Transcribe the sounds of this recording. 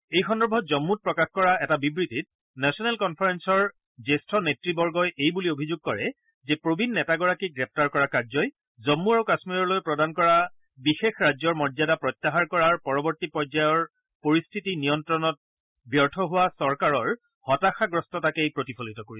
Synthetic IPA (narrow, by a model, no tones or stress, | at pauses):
ejxɔndɔɹbʱɔtzɔmːut̚pɹɔkaxkɔɹaɛtabibɹitit̚ | nɛsɔnɛlkɔnpʰaɹɛnsɔɹ | zestʰɔnetɹibɔɹɡɔjʔejbuliobʱizuɡ̚kɔɹɛ | zɛpɹobʱinːɛtaɡɔɹakiɡɹɛp̚taɹkɔɹakaɹzɔj | zɔmːuaɹukasmiɹɔɹlojpɹɔdankɔɹa | bixexɹazɔɹmɔɹzadapɹɔtːaɦaɹkɔɹaɹpɔɹɔbɔɹtipɔɹzajɔɹ | poɹistʰitinijɔntɹɔnɔt̚ | bjɔɹtʰɔɦʊwasɔɹkaɹɔɹ | hɔtaxaɡɹɔstɔtakejpɹotipʰɔlitɔkoɹiɛ